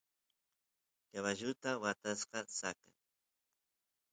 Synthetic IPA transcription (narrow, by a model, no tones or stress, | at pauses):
jaβaʒʊt̪awat̪asqɑsaka̰